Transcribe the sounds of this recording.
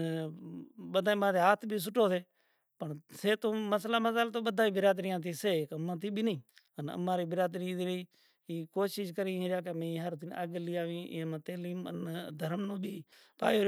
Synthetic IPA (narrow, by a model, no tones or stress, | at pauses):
ɓəd̪aːiːmãːt̪eːɦaːt̪ʰbʱiːs̬ʊʈʰoːseː | pəɳseːt̪oːməslaːməsalt̪oːɓəd̪aːiːbɪɾaːd̪ɾɪjãːt̪iːseːkəmãːt̪iːbʱiːnəĩːənə̰mãːɾiːbɪɾaːd̪ɾiːd̪iː | iːkoːʃiʃkəɾiːɦẽɾaːk̬emẽːiːɦəɾd̪ɪna̰ːɡliːaːʋĩːmãːt̪eːliːmə̰nd̪ʱəɾmnõːbʱiː | pa̰ːo